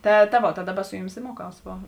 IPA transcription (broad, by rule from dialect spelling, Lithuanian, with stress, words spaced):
ˈtɐ tɐ ˈʋoːt tɐ ˈdɑːˌbɐ ˈsʊ jʊˌmʲɪs ɪ ˈmuɔˌkɐʊs ˈʋoː